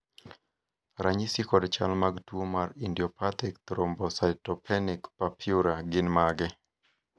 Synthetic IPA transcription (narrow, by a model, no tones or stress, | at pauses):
ɾaɲisikɔdt͡ʃa̰lmaɡtwomarindjɔpat̪ik̚t̪ɾombɔsaɪtɔpʰɛnɪkpapʰjuɾaɡɪnmaɡɛ